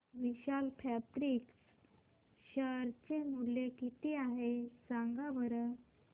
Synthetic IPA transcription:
ʋiɕalpʰæpɾiks | ɕəɾt͡ɕemulekit̪iaɦesãŋɡaʋəɾə

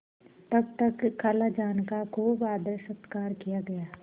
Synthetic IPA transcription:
t̪ɐb̚t̪ɐkːaːlad͡ʒaːnkakoʋaːd̪əɾsət̪kaːɾkijaɡɐjaː

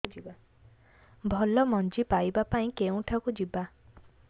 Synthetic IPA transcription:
d͡ʒiba | bʱɔlɔmɔnd͡ʒipajbapaĩkeũʈʰakud͡ʒiba

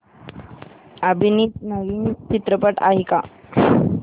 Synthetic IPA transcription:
əbʱinitnəɡinitt͡ɕit̪ɾəpəʈa̰ɦika

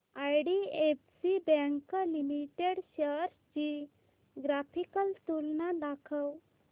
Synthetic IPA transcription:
ajɽiefsibɛ̃ŋklimiʈeɽɕəɾsd͡ʑi | ɡɾafikəlst̪ulnad̪akʰəw

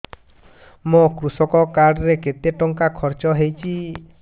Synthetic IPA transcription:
mokɾusɔkɔkaɖɔɾeket̪eʈɔŋkakʰɔɾt͡ʃɔɦejt͡ʃʰi

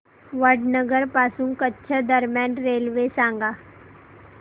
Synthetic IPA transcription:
ʋəɖnəɡəɾpaːsũŋkətːʃʰəd̪əɾmjaːnɾeːlʋesãːŋɡaː

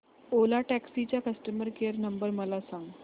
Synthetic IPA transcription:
olaʈæksit͡ɕjakəsʈəməɾkeɾnəmbəɾməlasãŋɡ

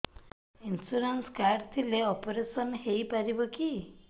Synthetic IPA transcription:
insuɾenskaɾɖt̪ʰileɔpɔɾesɔnhejpaɾibɔki

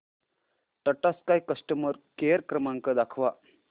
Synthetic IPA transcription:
ʈəʈaskajkəsʈəməɾkejəɾkɾəmaŋkəd̪akʰʋa

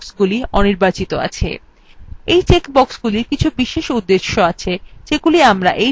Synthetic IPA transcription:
ksɡuliɔniɾbat͡ɕit̪oa̰t͡ɕʰḛ | ejt͡ɕekbɔksɡuliɾkit͡ɕʰubiʃeʃud̪ːeʃːoat͡ɕʰed͡ʑeɡuliamɾa̰ʔe

